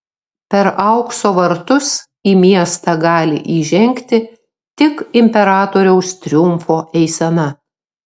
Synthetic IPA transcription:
pʲɛɾɐʊksoːʋɐɾt̪ʊs | iːmʲiɛst̪ɑɡɑːlʲɪ̰ʔiːʒʲɛŋʲkt̪ʲɪ | t̪ʲɪkɪmʲpʲɛɾɑːt̪oːɾʲɛʊst̪ʲɾʲʊmfoːʔɛɪsʲɛnɐ

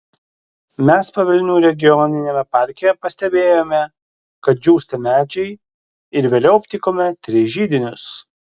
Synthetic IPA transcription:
mʲɛspɐʋʲɛlʲɪnʲuːɾʲɛɡʲɪjɔnʲɪnʲemʲɛpɑˑɾʲkʲɪjɛpɐsʲt̪ʲɛbʲeːjoːmʲɛ | kɐt̪̚d͡ʒʲuːsʲt̪ʲɛmʲæːd͡ʒʲɛɪ | ɪɾʋʲeːlʲɛʊpʲt̪ʲɪkoːmʲɛt̪ʲɾʲɪʒʲiːd̪ʲɪnʲʊs

